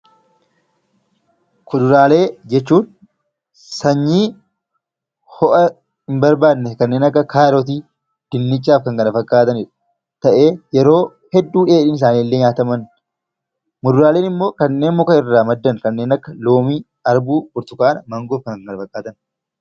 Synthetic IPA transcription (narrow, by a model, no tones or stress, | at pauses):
kʊd̪ʊɾaːle̞ːd͡ʒɛt͡ʃːuːn | sɐɲːiː | hɔʔɐ | ɪmbɐɾbaːd̪nːɛkɐnːe̞ːnɐkːɐkʰaːɾɔt̪̬iː | d̪̥ɪnːɪt͡ʃʼːaːfkɐŋkɐnɐfɐkʼːaːt̪ɐnɪᶑɐ | t̪ɐʔe̞ːjɛɾo̞ː | hɛd̪ːuːᶑeːᶑɪːnɪs̬aːniːlːeːɲaːt̪ɐmɐn | mʊd̪ʊɾaːle̞ːnɪmːo̞ːkɐnːe̞ːnmʊkɐɪrːaːmɐd̪ːɐnkɐnːe̞ːnɐkːɐlo̞ːmiː | ɐɾbuːbʊɾt̪ʊkaːnɐmɐŋɡoːfkɐnkɐŋkɐnɐfɐkʼːaːt̪ɐn